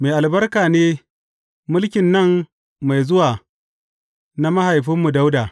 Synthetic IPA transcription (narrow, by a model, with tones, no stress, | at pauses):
me˨ʔa˨lbɐ˦rkaː˨neː˦ | mʊ˦lkʲɪ˨nːɐ˦˨mː | a˨jzʊ˦waː˨ | na˦mɐ˦ɦa˨jɸɪ˦mːu˨da˦wdaː˨